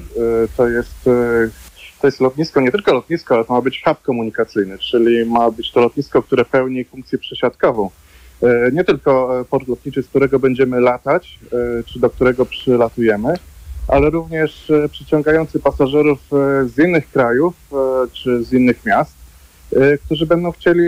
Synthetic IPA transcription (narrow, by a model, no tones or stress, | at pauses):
t̪ɔjɛst̪ | t̪ɔjɛst̪lɔt̪̚ɲiskɔɲɛt̪ɘlkɔlɔt̪̚ɲiskɔalɛt̪ɔmabɘt͡ɕxap̚kɔmuɲikat̪sɘjnɘt͡ʂɘlʲimabɘt͡ɕt̪ɔlɔt̪ɲiskɔk̚t̪uɾɛpɛwɲifuŋk̚t̪sjɛpʂɛɕat̪kɔvɔ̃w̃ | ɲɛt̪ɘlkɔpɔɾt̪lɔt̪̚ɲit͡ʂɘsk̚t̪uɾɛɡɔbɛɲd͡ʑɛmɘlat̪at͡ɕt͡ʂɘd̪ɔk̚t̪uɾɛɡɔpʂɘlat̪ujɛmɘʔalɛɾuvɲɛʂpʂɛt͡ɕɔ̃ŋɡajɔnt̪sɘpasaʐɛɾufzinːɘxkɾajuft͡ʂɘzinːɘxmʲjast̪ | kt̪uʐɘbɛnd̪ɔ̃w̃xt͡ɕelʲi